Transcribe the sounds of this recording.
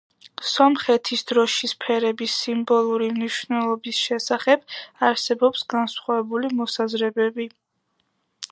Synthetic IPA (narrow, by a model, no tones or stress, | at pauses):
sɔmχɛt̪ʰisd̪ɾɔʃispʰɛɾɛbisimbɔlˠuɾimniʃvnɛlˠɔbisʃɛsaχɛb̥aɾsɛbɔpsɡansχwavɛbulimɔsazɾɛbɛbi